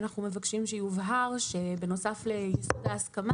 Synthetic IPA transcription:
naχnume̞vakʃimʃejuvɦaʁʃebe̞no̞saflejisudaːskama

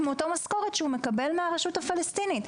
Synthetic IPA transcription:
mot̪omasko̞ʁet̪ʃeume̞kabe̞lmeaʁeʃuthafilest̪init̪

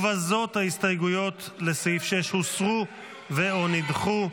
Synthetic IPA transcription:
vazo̞t̪haist̪ajɡujo̞t̪leseifʃeʃhusʁu | veo̞nidχu

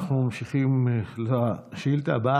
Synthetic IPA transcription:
χnumamʃiχimlʃilt̪aba

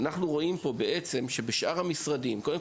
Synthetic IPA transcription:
naχnuʁo̞ʔimpo̞be̞ʔe̞t͡se̞mʃe̞beʃʔaʁhamisʁadimko̞dem

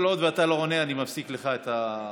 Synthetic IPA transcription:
lo̞d̪veat̪alo̞one̞animafsikle̞χaet̪a

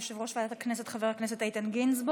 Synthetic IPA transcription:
ʃɪvʁɔʃvatəknɪsətχəvɛʁknɪsəteɪtɪnɡɪnzb

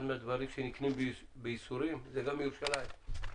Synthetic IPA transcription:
nmɛd̪vaɾiʃʰinikʰnimbbisuɾizɛɡamiuʃala

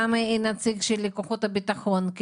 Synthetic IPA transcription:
amainat͡sikʃilikoχut̪abit̪aχonk

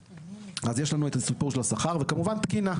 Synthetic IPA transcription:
azjeʃlanuetasupuʁʃelasaχaʁvekamuvantkina

